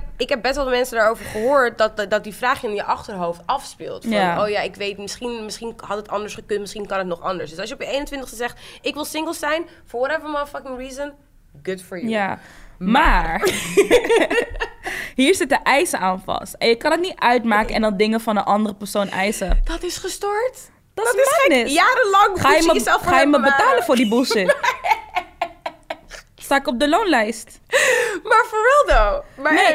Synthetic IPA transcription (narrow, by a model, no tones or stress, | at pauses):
ɪkɦɛp̚bɛstʋɛlˠmɛnsədaːɹowvəɹχəɦoːɹt̚dɑtdɑt̚difraːχjəɪnjəʔɑχtəɹɦowftɑfspɪ̰lˠtfjaoːjaɪkʋejtmɪsχinmɪsχinhɑtətɑndəɹsχəkɵntmɪsχinkɑnətnɔχɑndəsdɵsɑlˠsjəɔpjəejnəntʋɪntəχstəzɛχtɪkʋɪlˠsɪŋɡəlˠsɛjn | fɔɹwɔɾɛvəɹmafɑkɪ̃ŋɹiːzən | ɡʊdfɔɹjjamaːɹ | ɦiːɹsɪtəʔɛjsəaːnfɑ̰stɛnjəkɑndɑtnitœɥtmaːkəɛ̰ndɑnˠdɪŋəfɑnənʔɑndərəpəɹsownʔɛ̰jsəd̥ɔtɪsχəstoɹt | d̥ɔtɛnɪsjaːɾəlɑ̃ŋχaːjəməsɛlˠfχaːjəməbətaːləfʊːɹdibusɪ | staːɪkɔb̚dəlownlɛjst | maːɹfɔɹɛlˠdomane